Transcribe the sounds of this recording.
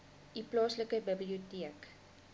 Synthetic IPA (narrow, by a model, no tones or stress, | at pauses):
ʔiplɑːsləkəbəbliotiək